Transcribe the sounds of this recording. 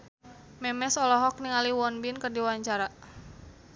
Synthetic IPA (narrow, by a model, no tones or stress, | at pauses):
mɛmɛsɔlɔɦɔk̚niŋaliwɔnbinkərdiwaɲt͡ʃaɾa